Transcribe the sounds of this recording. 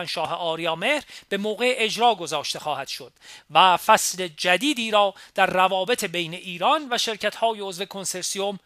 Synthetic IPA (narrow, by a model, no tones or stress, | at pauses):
ænʃɒːɦeʔɒːɾijɒːme̞hɾb̥e̞moːɣe̞ʔed͡ʒɾɒːɡo̞zɒːʃt̪e̞xɒːhæd̪̥ʃo̞d̪̥væfæsle̞d͡ʒæd̪iːd̪iːɾɒːd̪̥æɾːævɒːbe̞t̪ʰe̞be̞jne̞ʔiːɾɒnvæʃe̞ɾcʰæt̪hɒːjeo̞zve̞kʰo̞nse̞ɾsiom